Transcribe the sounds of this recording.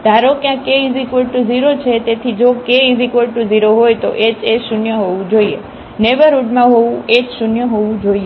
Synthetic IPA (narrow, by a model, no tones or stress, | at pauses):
d̪ʱaɾokjãkeizikoʈuziɾot͡ʃʰet̪et̪ʰid͡ʒokeizikoʈuziɾoɦojt̪oʔet͡ʃeʃunjəɦoʋũd͡ʒoiḛ | neʋəɾuɖmãɦoʋũed͡ʒʃunjəɦoʋũd͡ʒoie